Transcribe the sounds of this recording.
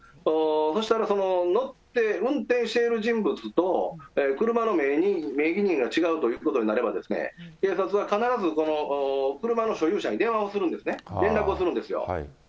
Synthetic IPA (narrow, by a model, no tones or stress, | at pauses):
oːso̞ɕit̪aɾaso̞no̞no̞t̪ːe̞ɯ̟̃nt̪ẽɰ̃ɕi̥t̪e̞iɾɯ̟ʑĩmbɯ̟t͡sɨt̪o̞ekɯ̟ɾɯ̟mano̞meɲ̟ime̞ːɡʲiɲ̟ĩŋɡat͡ɕiɡaɯ̟t̪o̞jɯːko̞t̪o̞ɲ̟inaɾe̞bad̪e̞sɨ̥nḛke̞ːsat͡sɨβakanaɾazɨko̞no̞ːkɯ̟ɾɯ̟mano̞ɕo̞jɯ̟ːɕaɲ̟id̪e̞ɰ̃βaosɨɾɯ̃nd̪e̞sɨneɾẽ̞nɾakɯ̟osɨɾɯ̟̃nd̪e̞sɨjo̰